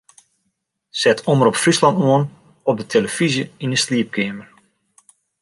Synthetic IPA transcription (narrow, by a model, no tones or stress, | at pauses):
sɛtʰoməɾɔpfrislɑntoən | ɔp̚dətʰeləfizjəinəsliəp̚kʰɪəmər